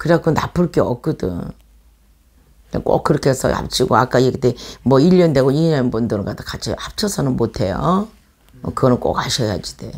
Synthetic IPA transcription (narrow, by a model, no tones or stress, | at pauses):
kɯɾeak͈onapʰɯɭk͈eʌk͈ɯdɯ̰ŋ | nḛk͈o̰k̚k͈ːɯɾʌkʰesʰʌ̰ʔa̰p̚t͡ɕʰiɡoak͈aiektemwʌiʎːʌnde̞ɡoiɲanbundɯɾɡadakat͡ɕʰḭʔap̚t͡ɕʰʌsʰʌnɯnmotʰe̞jo̰ | kɯɡʌnɯnk͈o̰kaɕʰʌja̰d͡ʑid̥e̞̰